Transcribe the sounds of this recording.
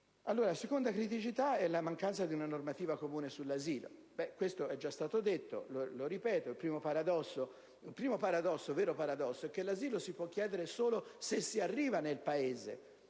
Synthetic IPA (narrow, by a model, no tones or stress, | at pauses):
alːoːɾasekond̪akɾit̪̬it͡ʃit̪aɛlːamaŋkant̪sad̪iunanormat̪iːvakomuːnesulːaziːlo̰ | bɛkwest̪oɛd͡ʒːast̪aːt̪od̪et̪ːo̰loloɾipɛːt̪oilpɾiːmopaɾad̪ɔsːo | ilpɾiːmopaɾad̪ɔsːovɛːɾopaɾad̪ɔsːoɛkːelːaziːlosipwɔkːjɛːd̪eɾesoːlosesːiarːiːvanelpaeːzḛ